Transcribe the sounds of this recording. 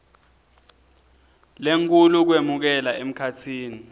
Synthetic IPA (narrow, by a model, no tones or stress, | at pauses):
leŋk̬ʰʼuluk̬wemuk̬ɛlaem̩kʰatʰiːni